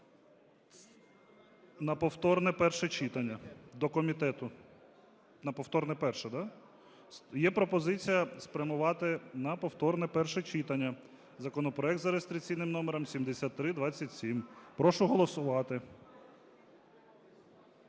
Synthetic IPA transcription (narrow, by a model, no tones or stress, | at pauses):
nɐpɔwt̪ɔrnɛpɛrʃɛt͡ʃit̪ɐnʲːɐd̪ɔkɔmʲit̪ɛt̪ʊ | nɐpɔwt̪ɔɾrnɛpɛrʃɛd̪ɑ | sjɛpɾɔpɔzɪt͡sʲijɐspɾʲɐmʊʋɑt̪ɪnɐpɔwt̪ɔrnɛpɛrʃɛt͡ʃit̪ɐnʲːɐ | zɐkɔnɔpɾɔɛkd̪zɐɾest̪ɾʲikt͡sʲijnɪmnɔmɛɾɐmsʲimd̪esʲat̪ːɾɪd̪ʋɑt͡sʲːɐtʲsʲimpɾɔʃʊɦɔlˠɔsʊʋɑt̪ɪ